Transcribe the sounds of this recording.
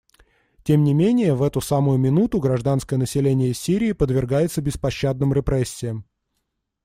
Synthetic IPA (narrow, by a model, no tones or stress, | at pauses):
tʲemnʲɪmʲenʲɪjəvɛt̪ʊsamʊjʊmʲɪnut̪ʊɡɾɐʐd̪anskəjənəsʲɪlʲenʲɪjəsʲiɾʲɪːpəd̪vʲɪrɡajɪt̪səbʲɪspɐɕːad̪nəmɾʲɪpɾɛsʲːɪjəm